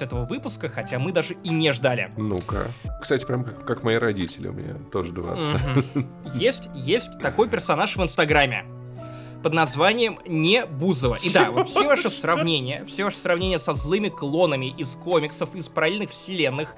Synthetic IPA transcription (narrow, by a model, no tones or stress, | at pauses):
ɛt̪əvəvɨpʊskəxɐtʲamɨd̪aʐɨinʲɪʐd̪alʲɪ̰nuka̰kst̪atʲɪ̥pɾʲamkakkakmɐjiɾɐdʲitʲɪlʲɪ̰ʊ̰mʲɪ̰nʲa̰t̪oʐəd̪va̰ə | jesʲtʲjesʲtʲtt̪ɐko̞jpʲɪrsɐnaʂvɨnst̪ɐɡɾamʲːɪ̰ | pəd̪nɐzvanʲɪjəmnʲɪbuzəvə̰ʔid̪avot̪fsʲevaʂɨsrɐvnʲenʲɪjəfsʲevaʂə̥sɾɐvnʲenʲɪjəsɐzlˠɨmʲɪklˠo̞nəmʲɪʔɪsko̞mʲɪksəfɪspəɾɐlʲelʲnɨxfsʲɪlʲenːɨx